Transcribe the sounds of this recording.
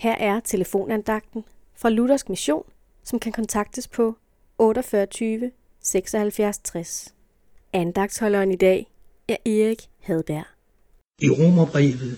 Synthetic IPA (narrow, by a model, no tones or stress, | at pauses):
hæɐ̰ʔæɐt͡sʰe̝ləfo̝̰ːnænd̥ɑ̈ɡ̥̚d̥n̩ | fʁɑ̈luɾ̥ɐsɡ̥miɕo̝̰ːn | sɒ̽mkʰækʰɒ̽nt͡sʰɑ̈ɡ̥̚d̥əspʰɒ̽ | ɔ̽ːɾɒfɶːɐt͡sʰyːʋə | seɡ̥sɒ̽hælfjæɐst͡sʰʁas | ænd̥ɑ̈ɡ̥̚d̥shɒ̽lɐnid̥ɛ̰ː | æʔe̝ːʁiɡ̥ | hæð̞ˠd̥æɐ̰ | iʁomɐb̥ʁḭːʋð̩ˠ